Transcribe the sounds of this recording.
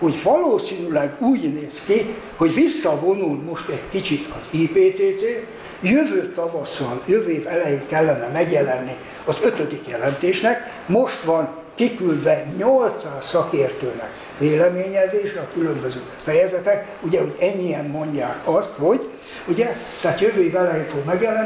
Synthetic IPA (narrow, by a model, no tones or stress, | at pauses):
ho̞ɟvɒloːsiːnylɛɡuːɟneːski | ho̞ɟʋisːɒvo̞nulmo̞ʃt̪ɛɟkit͡ʃit̪ʰɒziːpeːt̪seːt̪seː | jøvøːt̪ɒvɒsːɒljøveːvɛlɛjeːŋkɛlːɛnɛmɛɡjɛlɛnːi | ɒzø̞t̪ød̪ikjɛlɛnt̪eːʃnɛk | mo̞ʃt̪ʋɒŋ | kikyld̪vɛɲolt̪saːssɒkeːrt̪øːnɛ̰k | veːlɛmeːɲɛzeːʃɛɒkylømbøzøːfɛjɛzɛt̪ɛk | uɟɛho̞ɟɛɲːijɛmːo̞ɲɟaːkɒst̪ho̞ɟ | uɟɛ | t̪ɛat̪jøvøːivɛlɛjeːɱfoɡmɛɡjɛlɛn